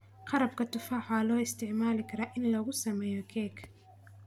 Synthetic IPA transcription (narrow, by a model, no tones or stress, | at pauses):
qɑɾɐb̚kʰɐt̪ʰʊfaːħlɔːɪst̪ʰɪʕmaːlɪkʰɐɾaːʔɪnlɔːɣʊsɐmɛːjɔkʰɛːkʰ